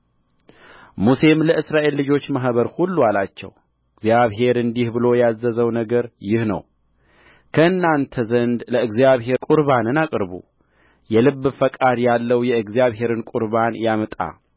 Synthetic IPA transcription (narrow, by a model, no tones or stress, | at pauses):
muse̞mləʔɨsɾaʔe̞lːɨd͡ʒo̞t͡ʃːmaɦbəɾhulːualat͡ʃːɛ̰w | ɨɡzijaβɦe̞ɾɨnd̪ihbɨlo̞jazːəzəwnəɡəɾjɪhnə̰w | kʰəɨnːant̪ʰəzənd̪ləɨɡzijaβhe̞kʼuɾbanɨnakʼɨɾbṵ | jɛlɨβːfəkʼad̪jalːəwjɛɨɡzjaβɦe̞ɾɨnkʼuɾβanjamət̪ʼa̰